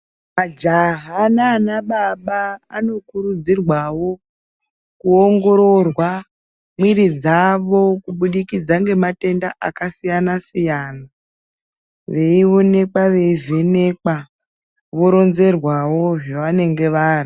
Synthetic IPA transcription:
mad͡ʒaɦananaɓaɓaːno̞kuɾud͡zirwawo̞ | kuoŋɡo̞ɾo̞rwa | mwiɾid͡zaʋo̞kuɓuɗikid͡zaŋɡe̞mate̞ndaʔa̰kasijanasijaːna | ʋe̞iʋone̞k͡paʋe̞ivene̞k͡pa | ʋo̞ɾo̞nze̞rwawo̞ʐeʋane̞ŋɡe̞ʋaːri

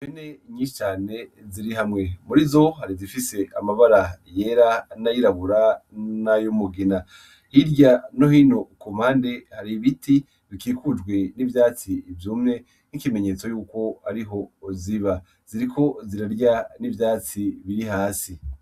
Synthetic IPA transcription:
kene̞ɲiːʃi̥t͡ʃaːne̞ziɾiɦamŋe̞muɾizo̞haɾizifise̞ʔamaβaɾaje̞ːɾanajiɾaβuɾanajomuɡina | hiɾɟano̞hiːno̞kum̥haːnde̞haɾiβiti | βikiːkud͡ʒɡwe̞nivjaːt͡sivjuːmŋe̞ | nikime̞ɲe̞t͡so̞juːko̞aɾiɦo̞ziβa | z̥iɾikʰo̞ziɾaɾɟanivjaːt͡siβiɾiɦaːsi

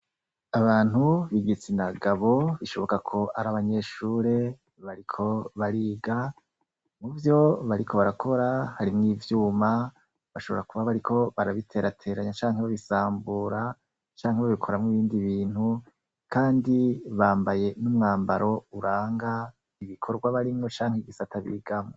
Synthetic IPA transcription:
aβaːn̥huβiɡit͡sinaɡaβo̞βiʃo̞βo̞kakʰo̞ʔaɾaβaɲe̞ʃuːɾe̞ | βaɾikʰo̞βaɾiːɡa | muvjo̞βaɾikʰo̞βaɾakʰo̞ɾahaɾimŋiːvjuːma | βaʃo̞βo̞ɾakuβaβaɾikʰo̞βaɾaβitʰe̞ːɾatʰe̞ːɾaɲat͡ʃaːŋɦeβaβisaːmbuɾa | t͡ʃaːŋɦeβaβikʰo̞ɾamŋiβiːndiβiːn̥hu | kʰaːndiβaːmbaje̞numŋaːmbaɾo̞uɾaːŋɡa | iβikʰo̞ɾɡwaβaɾimŋo̞t͡ʃaːŋ̥heɡisatʰaβḭːɡamŋo

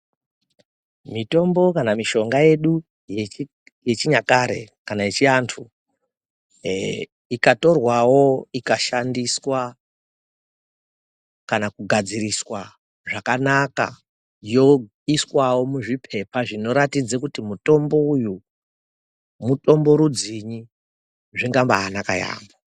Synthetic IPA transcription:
mito̞mbo̞kanamiʃo̞ŋɡaje̞ɗu | j | jet͡ʃiɲakaɾe̞̰kanajet͡ʃiantʰu | ikato̞rwawo̞ikaʃandiswa | kanakuɡʱad͡ziriswa | ʐakanaka̰ | jo̞ | iswawo̞muʐipʰe̞paʐino̞ɾatid͡zakutimuto̞mbouju | muto̞mbo̞ɾud͡ziɲi | ʐiŋɡambaːnaka̰ja̰ːmbo

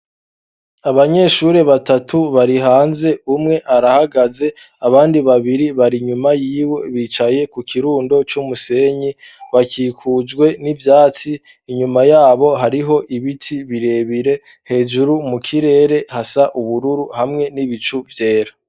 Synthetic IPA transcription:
aβaɲe̞ːʃuɾe̞βatatʰuβaɾiɦaːnze̞umŋe̞ʔaɾahaɡaze̞ | aβaːndiβaβiɾiβaɾiɲumajiːwe̞βiːt͡ʃaje̞kukʰiɾuːndo̞t͡ʃumuse̞ɲi | βakiːkʰud͡ʒɡwe̞nivjaːt͡siː | ɲumajaːβo̞ɦaɾiɦo̞ʔiβitʰiβiɾe̞βiɾe̞ | he̞ːd͡ʒuɾumukʰiɾe̞ːɾe̞hasaʔuβuɾuɾuhamŋe̞niβit͡ʃuvje̞ːɾa

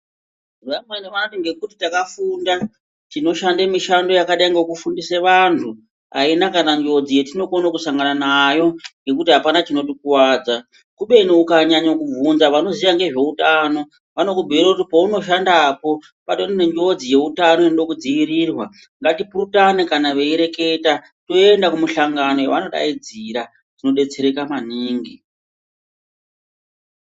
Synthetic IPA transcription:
rameneʋanotiŋɡe̞kutitakafunda | tino̞ʃandemiʃando̞jakaɗaiŋɡekufundiseʋantʰu | a̰inakanaɲd͡ʒo̞d͡zije̞tino̞konokusaŋɡananajo̞ŋɡe̞kutiɦapanat͡ʃino̞tikwaːd͡za | kuɓe̞niukaɲaɲakub͡vunzaʋano̞ziʋaŋɡe̞ʐe̞utano̞ | ʋano̞kubʱiiɾakutipouno̞ʃ̬andaːpo̞ | paɗononendo̞d͡zije̞utano̞inoɗokud͡ziʋiɾiːrwa | ŋɡatipurutanekanaʋe̞iɾe̞ke̞ta | to̞e̞ndakumuɬaŋɡano̞jeʋano̞ɗa̰id͡ziɾa | d͡zino̞ɗe̞t͡se̞ɾe̞kamaniːŋɡi

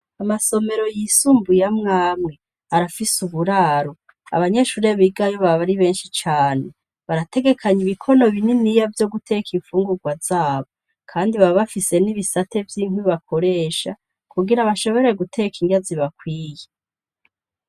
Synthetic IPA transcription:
amaso̞me̞ɾo̞jisuːmbujamŋaːmŋe̞ | aɾafisuβuɾaːɾo | a̰βaɲe̞ʃuːɾe̞βiɡajo̞βaβaɾiβe̞ːnʃit͡ʃaːne | βaɾate̞ɡe̞kʰaɲiβikʰo̞no̞βininijavjo̞ɡutʰe̞kʰiɱfuːŋɡuɡwazaːβo̞ | kʰaːndiβaβafise̞niβisate̞vjiːŋ̥hwiβakʰo̞ɾe̞ːʃa | kuɡiɾaβaʃo̞βo̞ɾe̞ɡutʰe̞kiŋɡaziβakwiːje

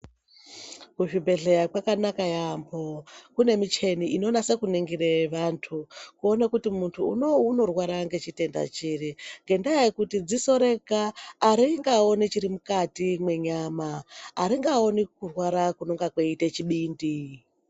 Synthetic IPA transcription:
kuʐibʱe̞ɮeɾakwakanakajambokune̞mit͡ʃe̞niino̞nase̞kuneŋɡireʋantʰukuo̞nekutimuntʰuːnouno̞rwaɾaŋɡe̞t͡ʃite̞nda̰t͡ʃiriŋɡe̞ndajekutid͡ziso̞ɾekaːɾiŋɡao̞nit͡ʃiɾimukatimwe̞ɲaːmaːɾiŋɡao̞nikurwaɾakuno̞ŋɡakweitet͡ʃiɓiːndi

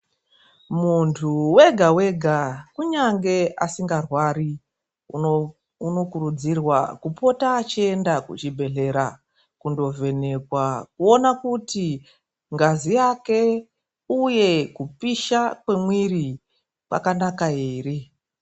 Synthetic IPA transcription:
muntʰuweɡʱawe̞ɡʱakuɲaŋɡe̞asiŋɡarwaːɾi | uno̞kuɾud͡zirwa̰kupo̞taːt͡ʃie̞ndakṵt͡ʃibʱe̞ɮe̞ɾa | kundo̞ve̞ne̞kwakuo̞nakuti | ŋɡazijake̞ | uje̞kupiʃakwe̞mwiri | pwa̰kanakaeːre

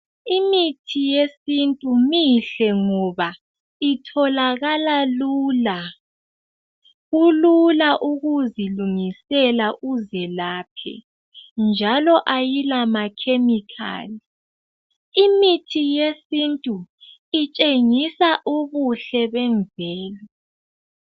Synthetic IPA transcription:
imitʰijesintʼumiɬɛŋɔβa | itʰɔlaɣalaluːla | ɣululaʔuɣuziluŋisɛlaʔuzɛlaːpʰɛ̰ | nd͡ʒʱalɔʔajilamakʰemikʰa̰ːli | imitʰijesintʼu | it͡ʃʼeŋisaʔuβuɬɛβɛɱvʱɛːlɛ

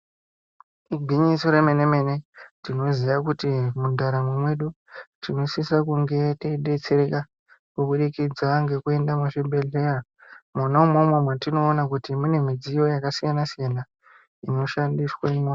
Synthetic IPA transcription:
iɡʱiɲisoɾemeneme̞ne̞tino̞zijakutimundaɾamwemwe̞ɗu | tinosisakuŋɡe̞teiɗe̞t͡se̞ɾe̞ka | kuɓuɗikid͡zaŋɡe̞kue̞ndamaʃembe̞ɮe̞ra | manaumomwomwatino̞ːnakutimune̞mid͡zijo̞jakasijanasijana | ino̞ʃandiswamwo

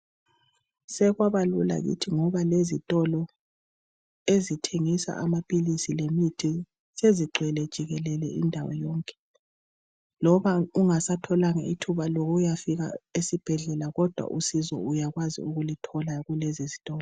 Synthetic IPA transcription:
sɛɣwaβalṵla̰ɣḭtʰiŋɔβalezitʼɔlɔ | ezitʰeŋisa̰ʔamapʼilisilemitʰi | seziǃʱwɛlɛd̥ʒ̥ʱiɣɛlɛlɛḭndʱawɔ̰jɔːŋkʼɛ̥ | lɔβauŋasatʰɔlaŋa̰itʰuβaloɣujafiɣa̰esib̥ʱɛɮɛlaɣɔd̥ʱwa̰ʔusizɔ̰ujaɣwazḭuɣulitʰɔlaɣulɛzizitʼɔːlɔ

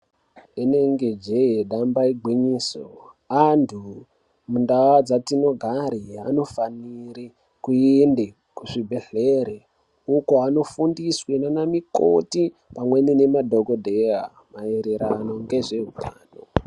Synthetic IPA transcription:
ene̞ŋɡe̞d͡ʒe̞jeɗambaiɡʱwiɲiːso̰ | antʰu | mundawad͡zatino̞ɡʱaɾiano̞faniɾi | kuende | kuʐibʱeɬeɾe | ukoano̞fundiswenanamiko̰ti | pamwe̞nine̞madʱo̞ɡodʱea̰ | maeɾeɾano̞ŋɡe̞ʐe̞ɦutʰaːno̰

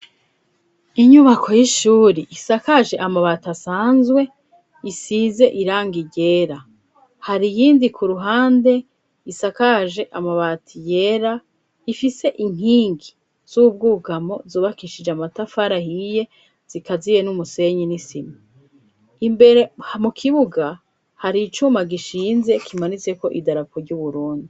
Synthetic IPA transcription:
iɲuβakʰo̞jiʃuːɾiʔisakaʒe̞ʔamaβatasaːnzwe̞ | isize̞ʔiɾaːŋɡiɟe̞ɾa | haɾijiːndikʰuɾuɦaːnde̞ | isakaʒe̞ʔamaβatʰije̞ɾa | ifise̞ʔiŋ̥hiːŋɡi | z̥ub̚ɡuɡamo̞zuːβakiʃid͡ʒeamatafaɾahije̞ | z̥ikazije̞numuse̞ɲinisimi | imbe̞ɾe̞hmukʰiβuɡa | haɾit͡ʃumaɡiʃiːnze̞kʰimanit͡seko̞ʔidaɾakʰoɾɟuβuɾuːndi

